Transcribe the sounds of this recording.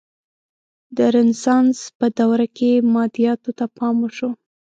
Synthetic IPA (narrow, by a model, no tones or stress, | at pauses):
d̪əɾɪnsɑnspəd̪awɾakemɑd̪ijɑt̪ot̪apɑməʃo